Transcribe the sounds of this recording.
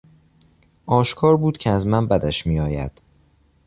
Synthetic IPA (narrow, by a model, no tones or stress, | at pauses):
ʔɒːʃkʰɒːɾbuːd̪̥cʰeæzmænbæd̪æʃmiːɒːjæ̰d̪̥